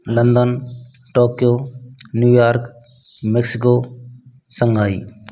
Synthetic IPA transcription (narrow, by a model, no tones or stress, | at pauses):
lənd̪ənʈoːkijoːnjuːjaːɾk | meksɪkoː | səŋɡʱaːḭː